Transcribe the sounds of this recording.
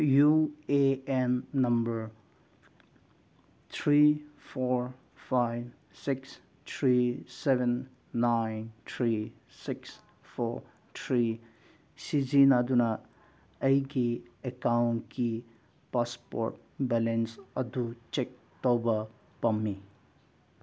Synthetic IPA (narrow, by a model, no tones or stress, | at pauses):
jueenːɐmbəɾ | t̪ʰɾipʰɔɹ | pʰajb | siks | t̪ʰɾisebenː | ajnt̪ʰɾi | siks | pʰɔ | t̪ʰɾi | sid͡ʒinad̪unɐ | ɐjɡiekawnki | paspɔ̰ɾʈ̚bɛlensɐd̪ut͡ʃek̚ | t̪ɔwbɐ | pɐmːi